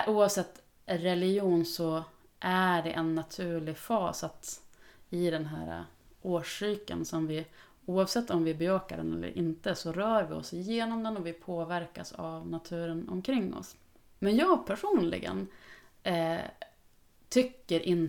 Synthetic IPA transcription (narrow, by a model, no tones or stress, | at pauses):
ʔuːavsɛt̪ː | ɾɛlɪjuːnsɔ | ʔæɖɛʔɛnːat̪ʰʉ̟ːɭɪfɑːsat̪ | ɪd̪ɛnɦæ̰ːɾa̰ | ʔoːʂyːkə̰nsɔmvɪ | uːɑvsɛt̪ʰːɔmvɪæbɑːkad̪ɛ̰nɛ̰lːə̰ɾʔɪnt̪əsɔɾœːɾvɪɔ̰sɪjeːnɔmd̪ɛnɔvɪpʰoːvæɾkasavnat̪ʰʉ̟ːɾənɔ̰mkʰɾɪŋːɔ̰s | mɛnjɑːɡ̚pʰæʂuːnlɪ̰ɡə̰n | t̪ʰʏkːəɾʔɪn